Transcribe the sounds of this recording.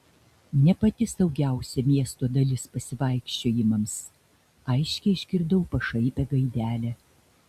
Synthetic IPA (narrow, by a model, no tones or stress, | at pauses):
nʲɛpɐt̪ʲɪsd̪ɐʊɡʲæˑʊsʲɛmʲiɛst̪oːd̪ɐlʲɪspɐsʲɪʋɐˑɪkʃʲt͡ʃʲoːjɪmɐms | ɐɪʃʲkʲɛɪɪʃʲkʲɪɾd̪ɐʊpɐʃɐɪpʲɛɡɐɪd̪ʲæːlʲɛː